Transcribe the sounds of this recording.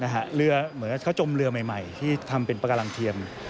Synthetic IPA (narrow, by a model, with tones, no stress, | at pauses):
na˦˥kʰa˦˥ɾɯ˧ɐmɯ˩˦nka˧˩kʰa˦˥˩t͡ɕo˧mɾɯ˧əma˨˩jma˨˩jt̪ʰiː˥˩t̪ʰa˧mpe˧npa˧ka˧la˧ŋt̪ʰi˧əm